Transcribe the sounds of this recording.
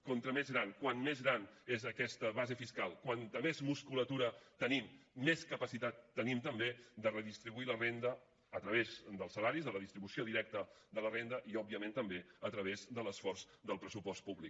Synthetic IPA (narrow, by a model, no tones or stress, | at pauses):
kɔnt̪ɾəmezɣɾankwanmezɣɾanezəkɛst̪əβazefiskalˠkwant̪əmezmuskulət̪uɾət̪ənimːeskəpəsit̪at̪ːənimt̪əmbed̪ərəðist̪ɾiβuilərend̪əː | t̪ɾəβezd̪əlˠsːəlaɾizðələðist̪ɾiβusioðiɾɛk̚t̪əd̪ələrend̪əʔiɔb̚iəmẽnt̪əmbeət̪ɾəβezd̪ələsfɔrz | d̪əlˠpɾəsupɔst̪̚puβlik